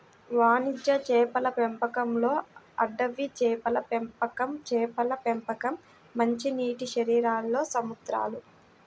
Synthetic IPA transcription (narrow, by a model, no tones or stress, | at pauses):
ʋaːɳid͡ʒːɐt͡ʃɛːpɐlɐpempɐkɐmlo̞ːɐ̰ɖːɐʋit͡ʃɛːpɐlɐpempɐkɐmt͡ʃɛːpɐlɐpempɐkɐmː | ɐɲt͡ʃiniːʈiʃɐɾiːɾaːlːo̞ːsɐmud̪ɾa̰ːlu